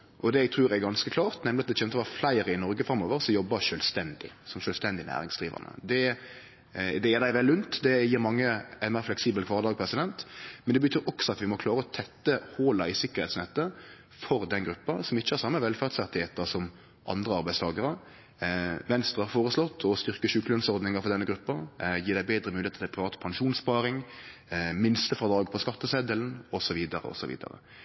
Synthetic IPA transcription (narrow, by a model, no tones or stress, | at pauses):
ʔɔd̪ɛæɡ̚t̪ʰɾʉːɾæɡɑnskəkʰlɑːʁt̪nɛmlɪɑt̪d̪ɛçɛːnt̪ɔʋɑflæɪɾəɪnɔɾɡəfɾɑmːoːʋəɾsɔmjɔbːɑʃœːlst̪ɛnd̪ɪ̰sɔmʃœːlst̪ɛnd̪ɪnæ̰ːɾɪŋsd̪ʁiːʋə̰ʁnə̰d̪ɛ | d̪ɛjɛːɾd̪æɪʋɛlːʉnt̪d̪ɛjiːɾmɑŋːəɛnmeːɾflɛksiːbəlkʰʋɑːʁd̪ɑːɡ̚pʰɾɛsɪd̪ɛnt̪mɛnd̪ɛbət̪ʰyːɾɔksɔɑt̪ʋɪmɔkʰlɑːɾəɔt̪ʰɛt̪ːəhoːlɑɪsɪkːəɾ̩hɛ̰ɪt̪snɛt̪ːə | fɔɾd̪ɛnɡɾʉpːɑsɔmɪçːəhæɾsɑmːəʋɛlfæʁd̪sæʁt̪ɪheːt̪əsɔm | ʔɑ̰nd̪ʁəɑɾbæɪst̪ʰɑːɡəɾə | ʋɛnst̪ʁəhɑɾfoːɾəslɔt̪ːʰɔst̪ʏʁkəʃʉkəlœnsɔɾd̪nɪŋəɾfɔʁd̪ɛnːəɡɾʉpːɑjiːɾd̪æɪbeːd̪ɾəmʉːlɪeːt̪ɪlpʰɾɪʋɑːt̪pʰɑŋʂuːnspɑːɾɪŋ | mɪnst̪əfʁɑd̪ɑːɡpʰɔskɑt̪ːəsɛd̪əlnɔsɔʋiːd̪ɑɾə̰ɔ̰sɔʋḭːd̪ə̰ɾə̰